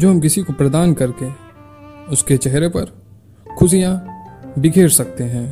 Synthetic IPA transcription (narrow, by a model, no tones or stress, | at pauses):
d͡ʒoːɦɐmkɪsikopɾɐd̪aːnkɐɾke | ʊsket͡ʃɛɦɾepɐɾ | kʰʊs̬ijãbɪkʰeːɾsɐk̚t̪eɦɛ̃ː